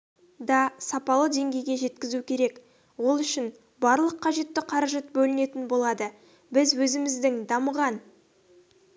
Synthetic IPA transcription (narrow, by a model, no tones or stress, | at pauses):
d̪ɑsɑpɑlˠəd̪e̞ŋɡʲe̞jɡʲe̞ʒe̞t̪kʲɪzukʲʰe̞ɾe̞k | wo̞lˠʏʃɪn | bɑɾlˠəqʰːɑʒe̞t̪ːɪqʰɑɾɑʒɑt̪̚bɵlɪne̞t̪ɪnbo̞lˠɑd̪ə | bɪzwɵzɪmɪzd̪ɪŋd̪ɑməʁɑn